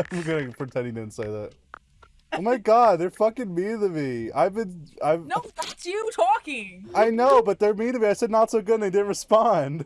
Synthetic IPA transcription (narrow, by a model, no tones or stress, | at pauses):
ãmwɡʌnɨpʰɹ̥ɨtʰɛ̃ndĩŋdɨ̃nseɪðæ̰t̚ | ʔoʊmaɪɡɑd̚ðə˞fʌkɪ̃ŋmiɾɨvia̰ɪbɨ̃na̰ɪvnoʊðætsjɨtʰɔkɪ̃ŋaɪnoʊbʌt̪̚ðə˞miɾɨbiaɪsɛdⁿnətsoʊɡʊdn̩ðeɪdɪdⁿn̩t̚ɹɨspɑ̃nd̥